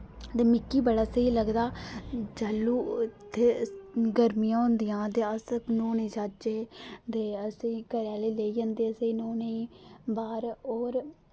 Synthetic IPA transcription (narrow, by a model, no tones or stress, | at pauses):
t̪eːmɪkːiːbəɽaːsəiːləɡd̪aːd͡ʒəlːuːt̪ʰːeːɡəɾmɪjãːɦʊ̃nd̪ɪjãːt̪eːəsəknoːnẽːsat͡ʃeːt̪eːəsĩːkəɾɛːleːleːiːə̃ːnd̪eːəsẽːnoːneiːbaːɾoːɾ